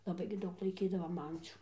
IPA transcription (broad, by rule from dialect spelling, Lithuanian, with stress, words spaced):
lˠɐˈbɐɪ ɡʲɪ ˈdɐʊk lˠɐɪˈkʲiːdɐʋoːm ˈɐnʲt͡sʲuː